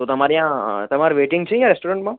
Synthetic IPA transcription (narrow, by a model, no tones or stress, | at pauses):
t̪ot̪ɐmaːɾeɦãt̪ɐmaːɾeʋeːʈɪ̃ŋɡt͡ʃʰẽjãɾesʈoːɾẽɳʈmã